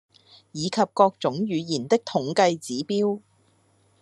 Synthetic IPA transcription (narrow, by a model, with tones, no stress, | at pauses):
jiː˨˧kʰɐ˨p̚kɔː˧k̚t͡sʊ˨˥ŋjyː˨˧jiː˨˩nt̪ɪ˥k̚t̪ʰʊ˨˥ŋkɐ˧jt͡siː˨˥piː˥w